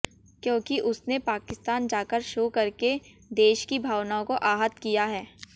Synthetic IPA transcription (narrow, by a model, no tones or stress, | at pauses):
kjõːkiʔʊsnepaːkɪst̪aːnd͡ʒaːkəɾʃoːkɐɾke | d̪eːʃkibʱaːwnaːõkoʔaːɦət̪kijaɦɛː